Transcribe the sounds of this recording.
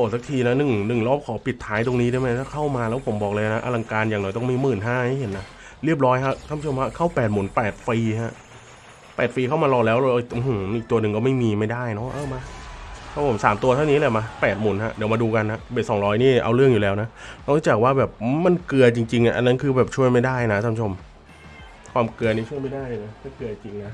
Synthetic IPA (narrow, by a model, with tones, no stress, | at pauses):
ʔoː˧˩sa˧˦k̚t̪ʰiː˧na˦˥nɯ˨˩ŋnɯ˨˩ŋlɔː˦˥˩p̚kʰɔː˩˦pi˨˩t̪ʰːaː˦˥jt̪o˧ŋniː˦˥daː˥˩jma˦˥jt̪ʰaː˥˩kʰa˥˩wmaː˧lɛː˦˥wpʰo˨˩˦mbɔː˨˩klɤː˧ja˨˩na˦˥ʔa̰˧la˧ŋkaː˧njaː˨˩ŋnɔ˨˩˦jt̪ɔ˥˩miː˧mɯː˨˩nɦaː˥˩ha˥˩jɦe˨˩˦nːa˦˥ | ɾi˥˩əp̚ɾɔː˦˥jkʰa˦˥t̪ʰa˧˥˩mt͡ɕʰɯ˧mwa˦˧˥kʰa˥˩wpɛː˨˩t̪̚muː˩˦npɛː˨˩t̪̚fiː˧ha˦˥ʔ | pɛː˨˩t̪̚fiː˧kʰa˥˩wmaː˧lɔː˧˩k̚lɛː˦˥wlɛː˧˥˩ʔi˨˩ʔu˧˩˨ʔiː˨˩k̚t̪u˧ɐnɯ˨ŋkɔː˥˩ma˥˩jmiː˧ma˥˩jdaː˥˩jnɔ˦˥ʔɤː˧˩ma˦˧˥t̪ʰa˧˥˩pʰo˨˩˦msaː˩˦mt̪u˧ɐt̪ʰa˥˩wni˦˥laː˧˩wma˧˩pɛː˨˩t̪̚muː˩˦nha̰˦˥ʔdi˨˩˦maː˧duː˧ka˧nha˦˥ʔbeː˨˩t̪̚sɔː˩˦ŋɾɔː˦˥jniː˥˩ʔa˧wɾɯ˥˩əŋjuː˨˩lɛː˦˥wna˦˥na˥˩ɾuː˦˥t͡ɕa˨˩k̚waː˥˩bɛː˨˩p̚ma˧nkɯ˧ɐt͡ɕi˧ŋt͡ɕi˧ŋʔa̰˨˩ʔa̰˧nːa˦˥nkʰɯː˧bɛː˨˩p̚t͡ɕʰu˥˩əjma˥˩jdaː˥˩jna˦˥t̪ʰːmʰ˦˩o˧m | kʰwaː˧mkɯ˧ɐni˦˥t͡ɕʰu˥˩əjma˥˩jdaː˥˩jlɯ˧˩a˦˧˥kʰaː˥˩kɯ˧ɐ˩t͡ɕi˧ŋna˦˥